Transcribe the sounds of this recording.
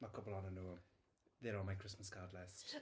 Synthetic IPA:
məkʰʊbəlˠɔnəno | ðɛɹəmajkʰɹ̥ɪsməskʰaːdˡlɛst

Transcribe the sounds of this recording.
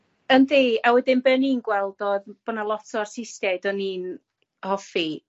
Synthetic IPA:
əndeːawɛdɪnbɛninɡwɛlˠdoðb̥ɔnalˠɔtʰɔrsɪstɛdɔniːn | hɔfi

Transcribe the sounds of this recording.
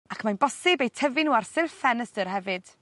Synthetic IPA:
akʰmanbɔsɪbejtʰəvɪnuːarsɪlfɛnəstərɦɛvɨd̥

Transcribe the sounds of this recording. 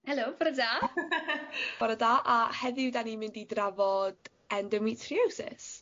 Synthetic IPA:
hɛlobɔɾadaː | b̥ɔɾədaːʔahɛðɪwdanimɪndidravɔd̥ | ɛndəmitʰriowsɪ̰s

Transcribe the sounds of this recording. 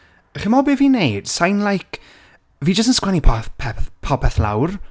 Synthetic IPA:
χɪmɔbɪviːnejd̥sajnlˠajkʰ | viːd͡ʒəs̬tənskwɛnipʰɔpʰɛθpʰɔpʰɛθla̰wr

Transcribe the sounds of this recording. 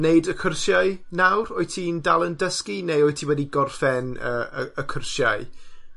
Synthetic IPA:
neɨdəkʰərsjaɨnawroːɨtʰiːndalˠəndəskinejɔːɨtʰiwɛdiɡɔrfɛnəːəəkʰərʃja̰ɨ

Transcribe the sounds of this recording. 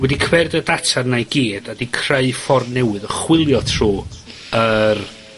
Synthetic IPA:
wɛdikʰwɛrdədatʰarnajɡiːd̥adikʰreɨfɔrnɛwɨðəχwɪlˠjɔtʰr̥uː | ər

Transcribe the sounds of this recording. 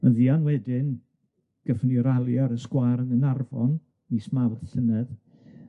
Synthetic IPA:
məðianwɛdɪn | ɡ̥əfniɾalˠjaɾəskwaɾənənarvɔ̰n | nismawrɬənɛð

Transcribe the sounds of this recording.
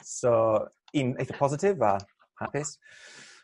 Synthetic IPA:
so | ɪneθəpʰɒzɪtɪvə | hapɪs

